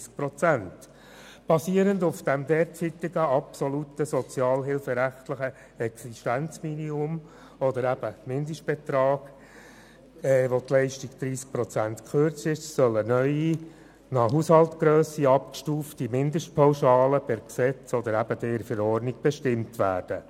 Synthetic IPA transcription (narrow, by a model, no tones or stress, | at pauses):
sk̚pɾɔt͡sænt | b̥ɑsiəɾəndʊfd̥æmd̪ɛːɾt͡sit̪ɪɡəɑpsɔlutəsɔt͡sjɑːlɦɪlfɛɾæχt̪ləχə | ɛksiʃtænt͡sminiʊm | ɔd̪əɾæb̥əmɪnd̪əʃt̚b̥ɛt̪ɾɑːɡ̥ | ɛːʋotlɛɪʃtiɡd̪̥ɾiːsk̚pɾɔt͡sænt̪kχʏɾt͡sɪʃsœlənœʏi | nɑɦushɑlt̪ɡɾøːsiɑpkʃtuːftimɪnd̪əʃt̚pʰɑwʃɑːləpɛɾksɛt͡sɔd̪əɾæbəd̥̪ɛɾfɛɾɔɾniɡ̚b̥ɛʃtɪmtʋæ̰ːɾd̥ə